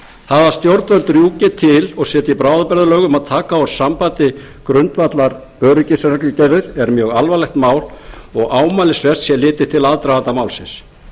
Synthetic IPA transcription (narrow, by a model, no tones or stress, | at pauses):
θaðvḁst̪jowɾt̪vœlt̪ɾjuːcɪt̪ʰɪlɔɣsɛːt̪ɪipɾaːwðapɛɾðʏlœːɣʏmaðt̪ʰaːkawɾ̥sampaːt̪ɪ | kɾʏnt̪vat̪laɾ | œːɾʏcɪsɾaklɪcɛɾðɪɾ̥ɛɾmjœːɣalvalɛhxt̪maːwlɔɣaːwmaːlɪsvɛst̪sjɛlɪːt̪ɪ̥t̪ʰɪlaðt̪ɾavant̪amaːwlsɪns